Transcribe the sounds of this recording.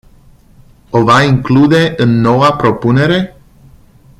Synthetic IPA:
o̞vaiŋklud̪e̞ʔɨnːo̞wapɾo̞pune̞ɾe̞

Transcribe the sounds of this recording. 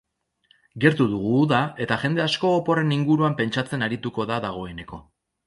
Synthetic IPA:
ɡe̞ɾt̪uðuɣ̞uːðae̞t̪aʝe̞nd̪e̞asko̞ːpo̞re̞niŋɡuɾuampe̞nt͡ʃat͡se̞naɾit̪uko̞ðaðaɣ̞o̞e̞ne̞ko̞

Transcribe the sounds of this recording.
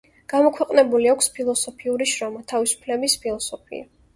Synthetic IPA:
ɡ̥amɔkʰwɛqʼnɛbuliakʷʰspʰilˠɔsɔpʰiuɾiʃɾɔmat̪ʰavisu̥pʰlɛbispʰilˠɔsɔpʰḭa

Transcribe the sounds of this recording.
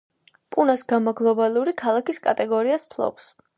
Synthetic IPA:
pʼunasɡamaɡlˠɔbalˠuɾikʰalˠakiskʼat̪ʼɛɡɔɾiaspʰlˠɔ̰ps

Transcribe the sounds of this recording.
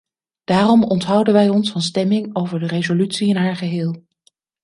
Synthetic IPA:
d̥aːrɔmɔntɦʌwdənʋɛjɔnsfɑnstɛmɪŋowvəɹdərejzolytsiɪnɦaːɹχəɦɪːlˠ

